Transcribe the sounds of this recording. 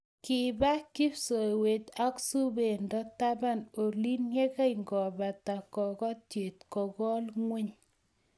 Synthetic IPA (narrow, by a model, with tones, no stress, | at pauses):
kɪ˨ba˦ki˦bso˨we˨ta˦ksu˦be˨ndɔ˦ta˦ba˦˨no˨li˦nje˦ka˦jŋɡɔ˨ba˨ta˨kɔ˨kɔ˦tje˨tkɔ˨ɡɔ˦lŋwe˦ɲ